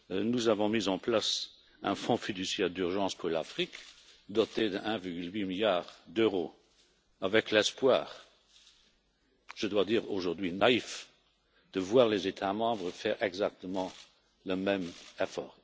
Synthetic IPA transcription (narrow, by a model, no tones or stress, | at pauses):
nuzavɔ̃mizɑ̃plas | ɛ̃fɔ̃fid̪ysjɛʁd̪yʁʒɑ̃spuʁlafʁik | d̪ɔt̪ed̪əʔɛ̃viʁɡylwimiljaːʁd̪øʁo | avɛklɛspwaːʁ | ʒ̥əd̪wad̪iːʁoʒuʁd̪ɥinaif | d̪̥əvwaːʁlezet̪ʰamɑ̃bʁəfɛːʁʔɛɡzak̚t̪əmɑ̃ | ləmɛmɛfɔ̰ːʁ